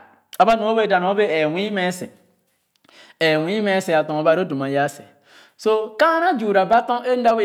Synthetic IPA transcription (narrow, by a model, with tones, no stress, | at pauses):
a˨ba˦nu˨o˦be˦˨da˨n˨˦o˦be˦ɛ˨wʷi˦me˦sɛ̰˨ | e˨wi˦me˦se˨a˨tɔ̃˨ŋo˨ba˨ɾo˦do˨ma˨ja˦sḛ˨ | so˦ka˦na˦d͡ʒu˨ɾa˨ba˦tɔ̃˦e˦n̩˦da˦we˦